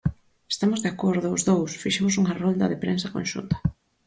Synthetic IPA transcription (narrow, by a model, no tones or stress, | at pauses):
e̥st̪amʊzðeakoɾðʊʊzðowsfiʃemʊsuŋarɔnd̪ɐ̰ðepɾensɐkõ̰nʃṵnt̪ɐ̥